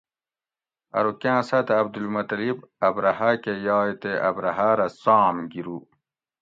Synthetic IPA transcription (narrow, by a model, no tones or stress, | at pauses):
ɐ̰ɾukãːsɐt̪eɐb̚d̪ulmɐt̪ɾibɐbɾɐhakejɑːjt̪eʔɐ̰bɾɐɦaɾɐsaːmɡiɾu